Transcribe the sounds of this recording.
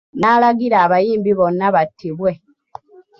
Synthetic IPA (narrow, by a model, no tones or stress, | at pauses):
naːlaɡiɾaːβajiːmbiβonːaβatʰːiβwe̞